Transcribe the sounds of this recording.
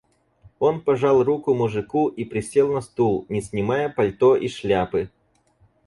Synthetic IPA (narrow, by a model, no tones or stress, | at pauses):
o̞npɐʐɑlˠrukʊmʊʐɨkuʔipɾʲɪsʲelˠnɐst̪ulˠnʲɪsʲnʲɪmajəpɐlʲt̪oʔiʂlʲapɨ